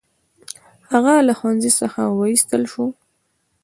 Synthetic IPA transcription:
haɣalaxwanzisəxa̰waist̪əlʃu

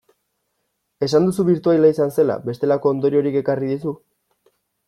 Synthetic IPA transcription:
e̞sand̪usuβiɾt̪uajlaisanse̞la̰βe̞st̪e̞lako̞ːnd̪o̞ɾio̞ɾike̞kariðis̬u

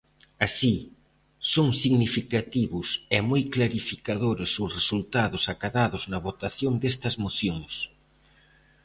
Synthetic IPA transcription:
asi | soŋsiɣnifikat̪iβʊsɛmojklaɾifikaðoɾɪsʊsresult̪aðʊsakaðaðʊznɐβot̪aθjoŋd̪est̪ɐzmoθjoŋs

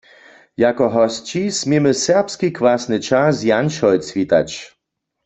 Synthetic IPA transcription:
jakɔɦɔst͡ɕismʲimɨsɛʁpskikvasnɨt͡ʃazjanʃɔjt͡sʋʲit̪a̰t͡ʃ

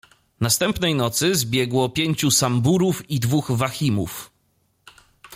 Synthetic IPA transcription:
nast̪ɛmpnɛjnɔt̪sɘzbʲjɛɡwɔpʲjeɲt͡ɕusambuɾufid̪vuɣvaxʲimṵf

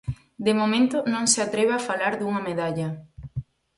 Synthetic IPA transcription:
d̪emomẽnt̪ʊnõŋseat̪ɾeβafalaɾðuŋɐmeðaʎɐ

